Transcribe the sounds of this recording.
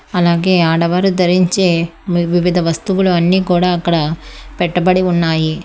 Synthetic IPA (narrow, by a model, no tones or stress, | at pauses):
ɐlaːɣeːaːɽɐʋaːɾɯt̪̬ɛɾɪɲt͡ʃeːʋɪʋɪðɐʋɐst̪uɣɐɭɯɐnːikuːɽɐːkːɐɽɐpɛʈːɐpɐɽiʊɳːaːji